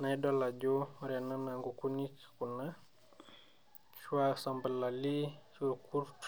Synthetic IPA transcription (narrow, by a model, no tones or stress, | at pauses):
najdɔlaɟoɾɛnanaŋɡukunikkuna | swasambəlːalisuɾkuɾt